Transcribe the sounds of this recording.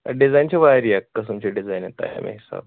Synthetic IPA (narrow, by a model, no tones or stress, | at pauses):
ɖid͡zajnt͡ɕiʋaɾiakkːəsumt͡ɕeɖid͡zajnet̪a̰ja̰mḛɦisa̰b